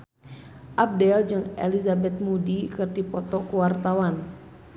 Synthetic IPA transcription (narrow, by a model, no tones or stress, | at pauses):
ʔab̚dɛld͡ʒɨŋɛ̰lizabɛt̪̚mudikɨrdipɔt̪ɔkuwart̪awan